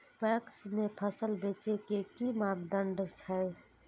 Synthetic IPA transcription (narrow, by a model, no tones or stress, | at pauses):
pɛksmẽpʰəsəlbet͡ʃekekimabd̪əɳɖt͡ʃʰəe